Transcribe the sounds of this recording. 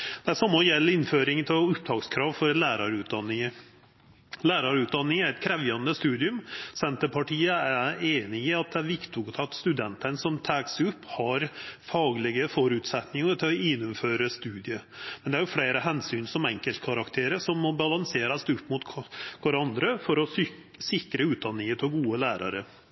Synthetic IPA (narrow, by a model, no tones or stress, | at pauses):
d̪̥æsɑmːɔjɛlːɪnːføːɾɪŋt̪ʰɪlɔʊpd̪ɑːɡskʰɾɑːʋfɔɾlæːɾɑɾʉːt̪̚d̪ɑnːɪŋə | læːɾɑɾʉːt̪̚d̪ɑnːɪŋæɾɛt̪̚kʰɾɛʋjɑnd̪əst̪ʉːd̪ɪʉmsɛnt̪əpʰɑʈʰiːəæeːnɪɪɑt̪̚d̪ɛæɾʋɪkt̪ʊɡt̪ʰɑt̪st̪ʉd̪ɛnt̪ənsɔmt̪ʰæːksʉpːhɑɾfɑːɡlɪɡəfɔɾʉːt̪sɛt̪nɪŋəɾt̪ʰɪlɔɪnːʊmføːɾəst̪ʉːd̪ɪəmɛnd̪ɛæɾjʊfleɪɾəɦɛnsyːnsɔmɛŋkəlt̪kʰɑɾɑkt̪ʰeːɾəsɔmːɔbɑlɑŋseːɾɑst̪ʉpːmʊt̪kʰɔɾɑnd̪ɾəfɔɾɔ | sɪkɾəʉːt̪̚d̪ɑnːɪŋət̪ʰɔɡuːəlæːɾʔɑ̰ɾə